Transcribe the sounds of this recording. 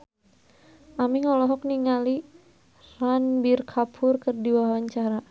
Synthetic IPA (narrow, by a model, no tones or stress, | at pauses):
ʔamiŋɔlɔɦɔk̚niŋali | ranbirkʰapʰʊrkərdiwawaɲt͡ʃaɾa